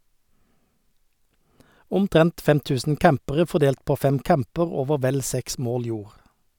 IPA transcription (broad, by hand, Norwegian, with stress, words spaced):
ʊmˈtʁɛnt ˈfɛm ˈtʉːsn̩ ˈkæmpəʁə fɔˈdeːlt ˈpoː ˈfɛm ˈkæmpəʁ ˈoːʋə ˈʋɛl ˈsɛks ˈmoːl ˈjuːʁ